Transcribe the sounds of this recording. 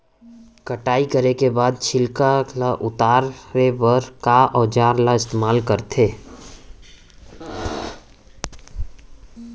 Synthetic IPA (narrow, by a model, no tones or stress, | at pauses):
kəʈaːikəɾekebaːd̪̚t͡ʃʰɪlkalaʔʊt̪aːɾepəɾkaʔɔːd͡ʒaːɾlaɪst̪eːmaːlkəɾt̪ʰeː